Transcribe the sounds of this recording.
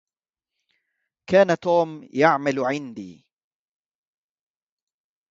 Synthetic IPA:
kaːnat̪uːmjaʕmalʕɪnd̪iː

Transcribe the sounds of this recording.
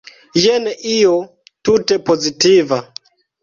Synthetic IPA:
jeneʔijo | tutepozitiva

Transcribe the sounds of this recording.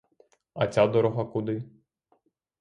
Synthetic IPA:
ɐt͡sʲad̪ɔɾɔɦɐkʊd̪ɪ

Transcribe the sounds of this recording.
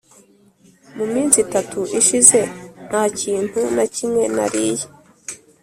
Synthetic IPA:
mumiːnsitatʰuʔiʃize̞n̥haːciːn̥hunacimŋe̞na̰ɾiːji

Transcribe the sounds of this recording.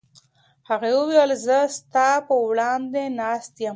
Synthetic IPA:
haɣewəweəlzəst̪ɑpəwɽɑnd̪enɑst̪jəm

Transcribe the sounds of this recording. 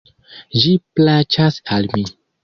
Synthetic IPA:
d͡ʒiplat͡ʃasalmi

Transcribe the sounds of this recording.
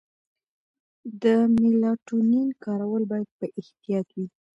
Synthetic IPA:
d̪əmɪlɑʈuninkɑɾawəlbɑjad̪̚pəʔɪht̪ijɑt̪wi

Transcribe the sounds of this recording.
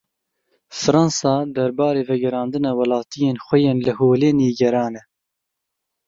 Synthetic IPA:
fɨɾɑnsɑːd̪ɐɾbɑːɾeːvɛɡɛɾɑːnd̪ɨnɛwɐlɑːt̪ʰijeːnxʷɛjeːnlɨhoːleːniːɡɛɾɑːnɛ

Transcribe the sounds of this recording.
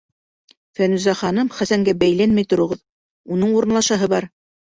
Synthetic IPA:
fænʉzæχɑnɤmχæsæŋɡæbæjlænmɘjt̪ŏɾɤ̆ʁɤð | unɤɴuɾɤ̆nlˠɑʃɑɦɤβɑɾ

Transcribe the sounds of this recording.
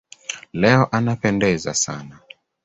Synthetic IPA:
lɛɔʔanapɛndɛza̰sa̰na

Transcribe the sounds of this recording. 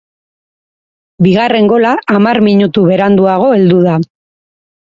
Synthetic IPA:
biɣare̞ŋɡo̞laːmaɾmiɲut̪uβe̞ɾand̪uaɣ̞o̞e̞ld̪uða

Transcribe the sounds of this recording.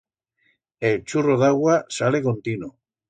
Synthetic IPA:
elt͡ʃuroðaɣwasalekõnt̪ino

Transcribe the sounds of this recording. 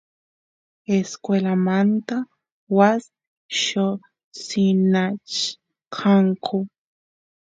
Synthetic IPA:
eskwelamant̪a | was | ʃo | sinat͡ʃ | kʰaŋkʰo

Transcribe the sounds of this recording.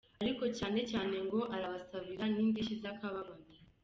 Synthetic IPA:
aɾiko̞caːne̞caːne̞ŋɡo̞ʔaɾaβasaβiɾaniːndiʃizakaβaβani

